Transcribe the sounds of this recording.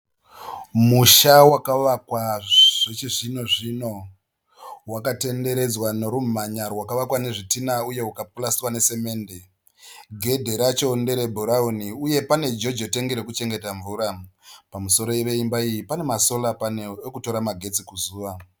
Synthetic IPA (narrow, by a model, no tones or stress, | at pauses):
muʃawakaʋakwaʐ̥et͡ʃiʐino̞ʐino̞ | wakate̞nde̞ɾe̞d͡zwano̞ɾum̤aɲarwakaʋakwane̞ʐitinauje̞wukap̚ulasiwane̞se̞me̞ːnde̞ | ɡʱe̞dʱe̞ɾat͡ʃoːnde̞ɾe̞bʱuɾauniuje̞pane̞d͡ʒo̞d͡ʒote̞ŋɡeɾekut͡ʃe̞ŋɡe̞taɱvuːɾapamuso̞ɾo̞eʋe̞imbaijipane̞maso̞lapaneekuto̞ɾamaɡʱe̞t͡sikuzuːʋa